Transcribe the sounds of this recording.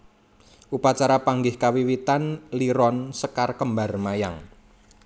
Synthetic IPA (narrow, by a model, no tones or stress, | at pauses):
ʔupat͡ʃaɾapaŋɡɪhkawiwit̪anliɾɔnsəkarkəmbarmajaŋ